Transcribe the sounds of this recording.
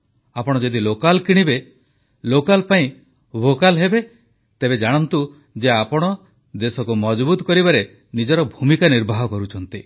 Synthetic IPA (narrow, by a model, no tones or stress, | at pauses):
apɔɽ̃ɔd͡ʒed̪ilokalkiɽ̃ibe | lokalpaĩ | bʱokalɦebe | t̪ebed͡ʒaɽ̃ɔnt̪u | d͡ʒeapɔɽ̃ɔ | d̪esɔkumɔd͡ʒbut̪ɔkɔɾibaɾe | nid͡ʒɔɾɔbʱumikaniɾbʱaɦɔkɔɾut͡ʃʰɔnt̪i